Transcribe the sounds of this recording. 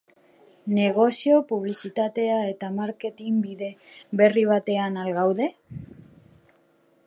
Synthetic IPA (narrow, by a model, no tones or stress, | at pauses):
ne̞ɣo̞sio̞puβ̞lisit̪at̪e̞ae̞t̪amaɾke̞t̪imbiðe̞be̞riβ̞at̪e̞analɣawðe̞